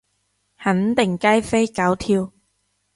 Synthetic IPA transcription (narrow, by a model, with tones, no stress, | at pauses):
hɐ˨˥nt̪ɪ˨˩ŋkaː˥jfe˥jkaː˨˥wt̪ʰiː˧w